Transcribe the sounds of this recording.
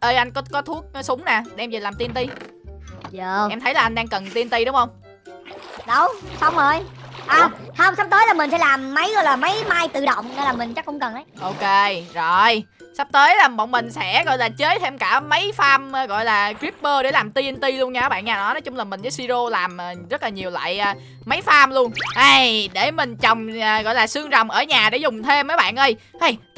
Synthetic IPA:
ʔə˧jʔa˧jŋ̟kɔ˨˦kɔ˨˦t̪ʰu˦˥ək̚sʊ˨˦ŋ͡mnaː˨˩ɗɛ˧mzə˨˩laː˨˩mt̪i˧nt̪i˧ | zəː˨˩ʔɛ˧mt̪ʰə˨˦jlaː˨˩ʔa˧ŋ̟ɗaː˧ŋkə˨˩nt̪i˧nt̪i˧ɗʊ˨˦ŋ͡mhə˧wŋ͡m | ɗə˨˧˦wsa˨˦wŋ͡mo˨˩jʔaː˨˩hə˧wŋ͡msa˦˥p̚t̪əː˨˦jlaː˨˩mï̟˨˩sɛ̰˧˦laː˨˩mːə˨˦jɣɔ̰˧˨jlaː˨˩mə˨˦jmaː˧jt̪ɨ̰˧˨ɗə̰˧˨wŋ͡mne˧jlaː˨˩mï˨˩ŋ̟t͡ɕa˦˥kːʊ̰˧˥ŋ͡mkə˨˩nʔə˨˦jʔo˧ke˧zo˨˩j | sa˦˥p̚t̪əː˨˦jlaː˨˩mɔ̰˧˨wŋ͡mmï˨˩ŋ̟sɛ̰˧˥ɣɔ̰˧˨jlaː˨˩t͡ɕeː˨˦˥jt̪ʰe˧mkaː˧˩mə˨˦jfaː˧mː˨˩ɣɔ̰˧˨jlaː˨˩kɾi˦˥p̚ɓəː˧ɗe˧˩laː˨˩mt̪i˧ənt̪i˧lu˧ənɲaː˧˨˦ɓa̰ː˧˨nɲaː˨˩nɔ˨˦jnɔ˨˦t͡ɕʊ˨˦ŋ͡mlaː˨˩mï̟˨˩zə˨˦si˧zo˧laː˨˩mʔəː˨˩zə˦˥t̚laː˨˩ɲi˨˩əwla̰ː˧˨jʔː | maə˨˦jfaː˧mlu˧ənʔa˧jɗe˧˩mï˨˩ŋ̟t͡ɕɔ˨˩wŋ͡məː˨˩ɣɔ̰˧˨jlaː˨˩sɨ˧əŋzɔ˨˩wŋ͡mʔəː˧˩ɲaː˨˩ɗe˧˩zʊ˨˩ŋ͡mt̪ʰe˧mːəː˨˦jɓa̰ː˧˨nʔə˧j | ʔa˧˩j

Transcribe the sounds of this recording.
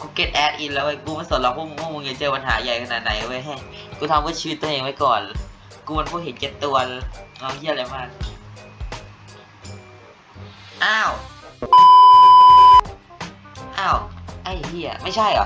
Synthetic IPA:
kuː˧ke˦˥t̪̚ʔɛː˨˦˥t̪̚ʔi˧nlɛː˦˥waː˧˩jkuː˧ma˧˥nso˨˩˦nla˧wkʰuː˥˩˨mu˧kʰu˥˩mːu˧ŋja˨˧˩t͡ɕɤː˧pa˧nɦaː˩˦ja˨˩jkʰa˧naː˨˩t̪̚na˨˦jwa˧˥˩jɦa˧˥˩kuː˧˩t̪ʰa˧mkɯ˧˩˨t͡ɕʰiː˧˦t̪̚ːʔeː˧ŋwa˦˥jkɔː˨˩n | kuː˧ma˧nkʰuː˧˩ɦe˩˦nke˦˥t̚t̪ːu˧ɐlnɔː˧˩kʰi˥˩˨la˧jmaː˥˩k̚ | ʔaː˧˥˩w | ʔaː˧˥˩wʔa˧˩ji˧˩ɐ̰˨˩ma˥˩jt͡ɕʰa˥˩jʔɔ̰˨˦

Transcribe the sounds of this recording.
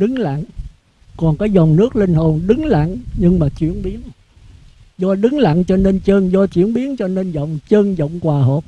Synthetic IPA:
ɗɨ˨˦ŋla̰˧˨n | kɔ˨˩nkaː˨˦jzɔ˨˩wŋ͡mnɨ˦˥ək̚li˧ŋ̟ɦo˨˩nɗɨ˨˦ŋla̰˧˨nɲɨ˧ŋmaː˨˩t͡ɕwḭ˧˩ənɓi˨˦ən | zɔ˧ɗɨ˨˦ŋla̰˧˨nt͡ɕɔ˧ne˧nt͡ɕəː˧nzɔ˧t͡ɕwḭ˧˩ənɓi˨˦ənt͡ɕɔ˧ne˧nzə̰˧˨wŋ͡mt͡ɕəː˧nzə̰˧˨wŋ͡mkwaː˨˩ɦə˨˩p̚

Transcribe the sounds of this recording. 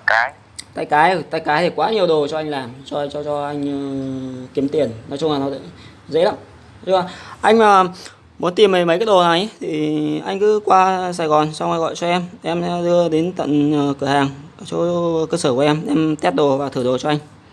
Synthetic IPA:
kaː˨˦j | t̪a̰ː˧˨jkaː˨˦jt̪aː˧jkaː˨˦jt̪ʰi˨˩kwaː˨˦ɲ˨˩əwɗo˨˩t͡ɕɔ˧ʔa˧jŋ̟laː˨˩mt͡ɕɔ˧t͡ɕɔ˧t͡ɕɔ˧ʔa˧jŋ̟˨ki˨˦əmt̪i˨˩ənnɔ˨˦jt͡ɕʊ˧ŋ͡mlaː˨˩nɔ̰˨˦˧ | zə̰˧˥la̰ː˧˦˥m | ɨ˧˩aː˨˩ʔa˧jŋ̟maː˨˩ | mu˨˦nt̪i˨˩mə˨˩mə˨˦ka˨˦˥ɗo˨˩na˨˩jt̪ʰi˨˩ʔa˧jŋ̟kɨ̰˧˥kwaː˧saː˧˩jɣɔ˨˩nsa˧wʔjɣɔ̰˧˨jt͡ɕɔ˧ʔɛ˧mʔɛ˧m˧˥ɗɨ˧əɗe˨˦nt̪ə̰˧˨nː˨˩kɨ˧˩əhaː˨˩ŋ˩t͡ɕɔ˧˦kə˧səː˧˩kʔɛ˧mʔɛ˧mt̪ɛ˦˥t̚ɗo˨˩vaː˨˩ɨ˧˩ɗo˨˩t͡ɕɔ˧ʔa˧jŋ̟

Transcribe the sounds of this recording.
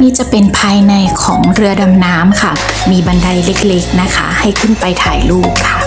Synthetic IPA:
niː˥˩t͡ɕa˨˩pe˧npʰaː˧jna˧jkʰɔː˩˦ŋɾɯ˧ɐda˧mnaː˦˥mkʰa˥˩ | miː˧ba˧nda˧jle˦˥k̚le˦˥k̚na˦˥kʰa̰˦˥ha˥˩jkʰɯ˥˩npa˧jt̪ʰaː˨˧˩jluː˥˩p̚kʰa˥˩

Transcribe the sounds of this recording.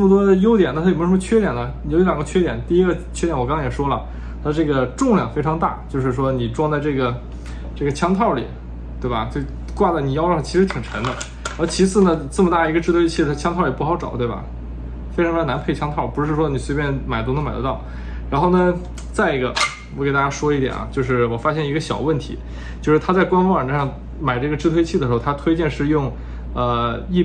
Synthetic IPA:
ʈ͡ʂə˥˩mə˩t̪̬wɔ˥d̪ə˨jo˥ʊt̪jɛ˨˩na˥˧t̪ʰm˧˥ʂə˥m̩˥˧t͡ɕʰɥɛ˥t̪jɛ˨˩nə˦˨˩ʊi˧˥ljɑ˨˩ŋɡə˧t͡ɕʰɥɛ˥t̪jɛ˨˩nt̪i˥˩i˥ɡə˧t͡ɕʰɥɛ˥jɛ˧˥nwkɑ˥ŋʰɑ̃˥˩jɛ˨˩ʂwɔ˥lə̰˨ | t̪ʰa˥ʈ͡ʂɤ˥˩ɡə˩ʈ͡ʂʊ˥˧ŋljɑ˥˩ŋfe˥ɪʈ͡ʂʰɑ˧˥ŋt̪a̰˥˩t͡ɕjo˥˧ʊʂɻ̩˥˩ʂ̬wɔ˥ni˨˩ʈ͡ʂwɑ˥˧ŋt͡sa˥˧ɪʈ͡ʂɤ˥˩ɡə˩ | ʈ͡ʂɤ˥˩ɡə˩t͡ɕʰjɑ˥ŋt̪ʰɑ˥˩ʊlḭ˨˩˦ | t̪we˥˩ɪbɐ̰˩t͡ɕ | kwa˥˩dni˨˩jɑ˥˧ɑ˥˩t͡ɕʰi˧˥ʂɻ̩˧˥t̪ʰi˨˩ŋʈ͡ʂʰə˧˥nd̪ə˧ | ɻt͡ɕʰi˧˥sɹ̩˥˩nə˩˧t͡sɤ˥˩mə˩t̪a˥˩ə˩˧˥ɡə˧ʈ͡ʂɻ̩˥˧t̪we˥ɪt͡ɕʰi˥˩˧t̪ʰa˥t͡ɕʰjɑ˥ŋt̪ʰʊli˨˩pu˥˩xɑ˧˥ʊʈ͡ʂɑ˨˩ʊt̪we˥˩bɐ̰˩ | fe˥ʈ͡ʂʰna˧˥npʰe˥˩ɪt͡ɕʰjɑ˥ŋt̪ʰɑ˥˩ʊpu˧˥ʂɻ̩˥˩ʂwɔ˥ni˨˩swe˧˥ɪpʲjɛ˥˧nma˨˩ɪt̪ʊ˥ŋd̪ə˧ma˨˩ɪd̪t̪ɑ˥˩ʊ | ɻa˧˥nxo˥˩ʊnə˩ | t͡sa˥˩ɪ˧˥ɡə̰˧ | wɔ˧˩ke˨˩t̪a˥˩t͡ɕja˥ʂwɔ˥i˧˥t̪jɛ̰˨˩nʔɐ̰˦t͡ɕjo˥˧ʊʂ̬ɻ̩˥˩wɔ˨˩fa˥ɕjɛ˥˩ni˧˥ɡə˧ɕjɑ̰˨˩ʊwə˥˩nt̪ʰḭ˧˥ | t͡ɕjo˥˧ʊʂɻ̩˥˩t̪ʰa˥t͡sa˥˩ɪkwa˥nfɑ˥ŋwa˨˩ʈ͡ʂ̩˥ʂɑ˥˩ŋ | ma˨˩ɪʈ͡ʂɤ˥˩ɡə˩ʈ͡ʂɻ̩˥t̪ʰwe˥ɪt͡ɕʰi˥˩ə˩ʂɻxt̪ʰa˥t̪ʰwe˥ɪt͡ɕjɛ˥˧nʂɻ̩˥˧jʊ˥˧ŋ | ə˧i˥˧

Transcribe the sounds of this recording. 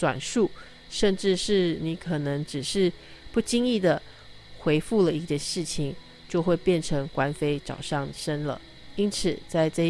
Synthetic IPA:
t͡swa̰˨˩nʂu˥˩ | ʂə˥˧nʈ͡ʂɻ̩˥˧ʂɻ̩˥˩ni˧˥kʰɤ˨˩nɤ˧˥ŋʈ͡ʂɻ̩˨˩ʂɻ̩˥˧ | pu˥˩t͡ɕi˥ŋi˥˩d̪ə˩ | xwe˧˥ɪfu˥˩lə˩i˥˧t͡ɕɛ˥˧nʂɻ̩˥˩t͡ɕʰi˨˩ŋ | t͡ɕjo˥˧ʊxwe˥˧ɪpjɛ˥˩nʈ͡ʂʰɤ˧˥ŋkwa˧˥nfe˥ɪʈ͡ʂɑ˨˩ʊʂɑ˥˩ŋʂə˥nlə̰˨˩ | i˥nt͡s̩ʰ˨˩t͡sa˥˧ɪʈ͡ʂɤ˥˧

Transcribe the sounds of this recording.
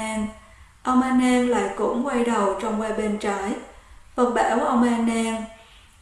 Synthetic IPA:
n | ʔə˧wŋ͡mʔaː˧nɛ˧nla̰ː˧˨jkʊ̰˧˩˥ŋ͡mkwa˧jɗə˨˩wt͡ɕɔ˧wŋ͡mwaː˧ɓe˧nt͡ɕaː˨˦jvə˨˩t̚ɓa̰ː˧˩˦wʔə˧wŋ͡mʔaː˧nɛ˧n

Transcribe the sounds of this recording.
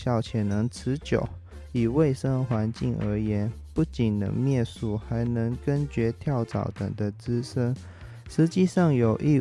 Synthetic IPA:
jɑ˥˩ʊt͡ɕʰjɛ˨˩nɤ˧˥ŋt͡sʰɹ̩˧˥t͡ɕjo̰˨˩˦ʊ | i˨˩we˥˩ɪʂə˥ŋxwa˧˥nt͡ɕi˥˩ŋʔə̰˧˥jɛ˧˥npu˥˩t͡ɕi˨˩nnə̰˧ŋmjɛ˥˧nsu˨˩xa˧˥ɪnɤ˧˥ŋkə˥nt͡ɕɥɛ˧˥t̪ʰjɑ˥˩ʊt͡sɑ̰˨˩ʊt̪ə̰˨˩ŋd̪ə˦t͡sɹ̩˥ʂə˥ŋ | ʂɻ̩˧˥t͡ɕi˥˧ʂɑ˥˩ŋjo˨˩ʊʔi˥˧

